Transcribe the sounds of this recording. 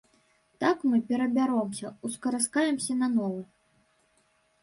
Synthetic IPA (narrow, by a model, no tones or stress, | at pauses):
t̪akmɨpʲɛɾɐbʲaɾɔmsʲɐuskɐɾaskajɛmsʲɐnɐnɔvu